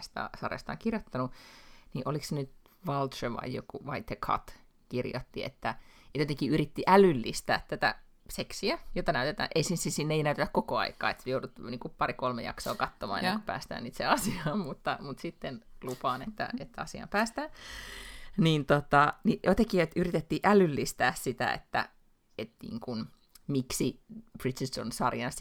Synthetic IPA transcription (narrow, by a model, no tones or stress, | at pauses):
st̪ɑ̰sɑrḛst̪ɑ̰ːŋkirjot̪ːɑnuniʔoliksenyt̪ | ʋɑlt̪ʃeʋɑ̰jjokuʋɑit̪ekʰɑ̰t̪ | kirjo̰t̪ːiḛt̪ːæjt̪jot̪eŋkiyrit̪ːiʔælylːist̪æːt̪t̪æt̪æ̰ | seksiæjot̪ːɑnæyt̪et̪æ̰ːʔeisisisinːeinæyt̪et̪ækkokoɑ̰ikˑɑ̰ːḛt̪sejoudut̪niːŋkuppɑrikolmejɑ̰kso̰ːkɑt̪ːomɑ̰ːḛḛːku̥pæ̰ːst̪æ̰ːniːt̪seɑsiɑːmmut̪ːɑmut̪sit̪ːenlupɑːnet̪ːæ̰et̪ːæɑsiɑ̰mpæːst̪æːn | niːnt̪ot̪ɑnijot̪eŋkiːet̪yrit̪et̪ːiʔælylːist̪æːssit̪æ̰ḛt̪ːæ̰ | et̪nḭːŋkun | miksib̥rit̪iso̰nsɑrjɑns